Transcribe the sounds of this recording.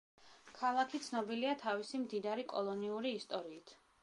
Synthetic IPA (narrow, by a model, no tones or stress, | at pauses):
kʰalˠakʰit̪sʰnɔbiliat̪ʰavisimd̪id̪aɾikʼɔ̰lˠɔniuɾiːst̪ʼɔɾiːt̪ʰ